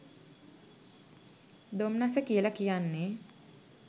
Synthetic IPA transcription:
d̪omnasəkijələkijanːe

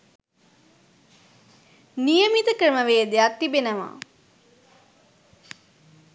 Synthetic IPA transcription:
nijəmit̪əkɾəməʋeːəd̪ejak̚t̪ːibenəʋa̰

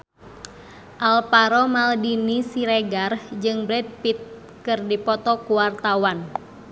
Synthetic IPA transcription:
ʔalpaɾɔmaldinisiɾɛɡard͡ʒɨŋbɾɛd̪̚pit̪̚ | kɨrdipɔt̪ɔkuwart̪awan

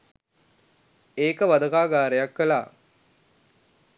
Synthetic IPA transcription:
eːkəʋad̪əkaːɡaːɾejakʋela̰ː

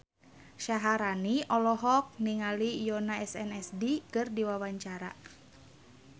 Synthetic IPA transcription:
ʃaɦaɾaniʔɔlɔɦɔk̚niŋalijɔnaɛsɛnɛsdikɨrdiwawaɲt͡ʃaɾa̰

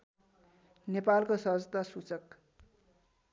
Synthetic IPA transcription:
nepalkosʌɦʌd͡zt̪asut͡sʌk

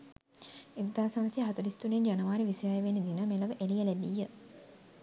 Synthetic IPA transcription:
eɡ̪d̪aːsaməsjəɦat̪ɐɾist̪unend͡ʒanəʋaːɾiʋisjajəʋenːid̪inəmeləʋəʔelijəlɛbijə

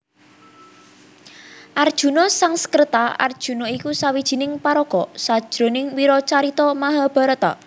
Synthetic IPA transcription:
ʔard̥ʒ̥ṳnɔsaŋsə̥kərt̪aa̰rd̥ʒ̥ṳnɔikusawid̥ʒ̥i̤nɪŋpaɾɔkɔsad̥ʒ̥ɾo̤nɪŋwiɾɔt͡ʃaɾit̪ɔmaɦab̥a̤ɾət̪a̰

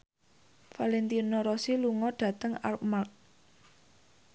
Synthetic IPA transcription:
falɛnt̪inɔɾɔsiluŋɔɖ̥ä̤t̪əŋa̰lp̚mark̚

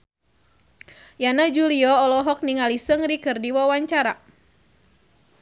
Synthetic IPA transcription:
janad͡ʒuliɔɔlɔɦɔk̚niŋalisəŋrikɨrdiwawaɲt͡ʃaɾa

